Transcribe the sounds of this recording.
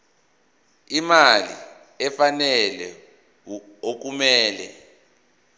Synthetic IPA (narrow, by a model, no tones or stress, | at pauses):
imalḭ | ɛfanɛlɛ | ok̬umɛːlɛ̰